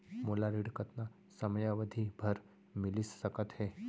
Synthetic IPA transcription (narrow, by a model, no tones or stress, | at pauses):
molaɾiɽkət̪na | səmjaʋəd̪ʱiːbʱəɾ | miliːsːəkət̪he